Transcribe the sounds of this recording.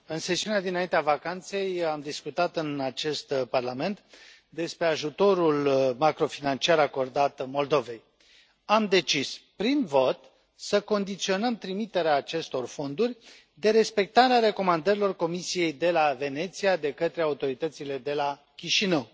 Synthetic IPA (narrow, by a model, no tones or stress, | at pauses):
ɨnse̞siunead̪inaint̪eavakant̪se̞jamd̪iskut̪at̪ɨnat͡ʃe̞st̪parlame̞nt̪ | d̪e̞spɾe̞aʒut̪o̞ɾulmakɾo̞finant͡ʃiaɾako̞rd̪at̪mo̞ld̪o̞ve̞j | amd̪e̞t͡ʃispɾinvo̞t̪ | səko̞nd̪it̪sio̞nəmt̪ɾimit̪e̞ɾeaːt͡ʃe̞st̪o̞rfo̞nd̪urʲ | d̪e̞ɾe̞spe̞k̚t̪aɾeaɾe̞ko̞mand̪əɾilo̞rko̞misije̞jd̪e̞lave̞ne̞t̪sijad̪e̞kət̪ɾe̞aut̪o̞ɾit̪ət̪sile̞d̪e̞la | kʲiʃinəw